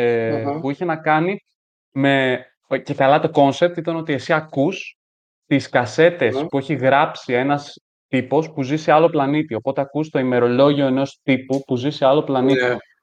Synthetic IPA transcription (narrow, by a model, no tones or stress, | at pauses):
epuiçe̞nɐkɐni | me̞ | ce̞kɐlɐt̪o̞ko̞nse̞p̚t̪it̪ɐno̞t̪iesiɐkus | t̪iskɐse̞t̪e̞spue̞çiɣɾɐpsie̞nɐs | t̪ipo̞spuziseɐlo̞plɐnit̪io̞po̞t̪e̞ɐkust̪o̞ime̞ɾo̞lo̞ʝio̞e̞no̞st̪ipupuziseɐlo̞plɐnit̪i